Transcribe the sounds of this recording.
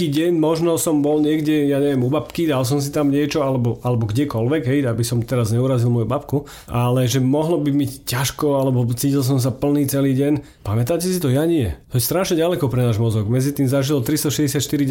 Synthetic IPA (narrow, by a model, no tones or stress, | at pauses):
iːɟɛɲmɔʒnɔsɔmbɔlɲɪɛɡɟɛjaɲɛʋɛmubapkid̪als̬ɔms̬it̪amɲɪɛt͡ʃɔalɛbɔʔalɛbɔɡɟɛkɔlʋɛɡɦɛjabisɔmt̪ɛɾazɲɛuɾazilmɔjubapku | ʔalɛʒɛmɔɦlɔbimiccːaʃkɔalɛbɔt͡siːcils̬ɔms̬apl̩niːt͡sɛliːɟɛɲ | pamɛt̪aːcɛsit̪ɔjaɲiɛt̪ɔjɛst̪ɾaʃɲɛɟalɛkɔpɾɛnaːʒmɔzɔɡmɛd͡zit̪iːmzaʒilɔt̪ɾist̪ɔʃɛzɟɛs̬jat̪ʃt̪iɾi